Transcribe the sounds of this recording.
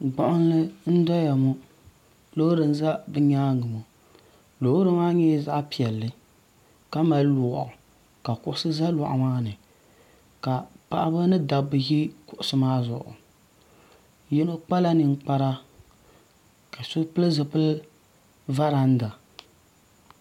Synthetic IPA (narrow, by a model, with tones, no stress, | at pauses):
ɡ͡bɔ˨ʔʊ˦n˦lɨ˦n̩˦dɔ˦ja˨mu˦ | lo˦hɾɨ˨n˦za˦bɨ˦ɲaː˦ɡɨ˨mu˨ | lo˨˦hɾɨ˦maː˦ɲɛ˦za˦ʔpi˨ɛ˨lːɨ˨ | ka˦ma˨llu˨˦˨ʔʊ˨ | ka˨kʊ˦ʔʊ˦sɨ˦za˦lɔ˨ʔa̰˨maː˦nɨ˨ | ka˨pa˨ʔa˦bɨ˦nɨ˦da˨bɨ˨ji˦kʊ˨ʔʊ˨sɨ˦maː˦zʊ̰˨ʔʊ̰˨ | ji˦no˦k͡pa˦la˦nɨ˨ŋ˦k͡pa˦ɾa˦ | ka˨sʊ˦pɨ˦lɨ˦zɨ˨pɨ˦l | va˦ɾa˨n̩˦da˨